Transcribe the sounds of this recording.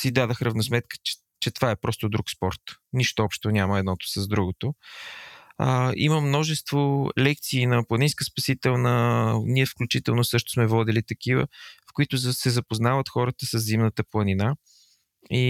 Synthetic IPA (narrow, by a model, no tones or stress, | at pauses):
sid̪ad̪əxɾəvnosmɛt̪kə̥ɛ̥ | t͡ʃɛt̪ovaɛpɾɔst̪ʊd̪ɾukspɔɾt̪niʃt̪oɔpʃt̪onʲaməɛd̪nɔt̪o̥səzd̪ɾuɡot̪o | ə̰iməmnɔʒɛst̪volɛk̚t̪siːnɐplˠɐninskəspɐsit̪ɛlˠnəniɛfklʲut͡ʃit̪ɛlˠnosɤʃt̪ʊ̥smɛvɔd̪ilit̪ɐkivə̰fkʊit̪ʊzsɛzɐpoznavət̪xɔɾət̪əsəzzimnət̪əplˠɐnina | i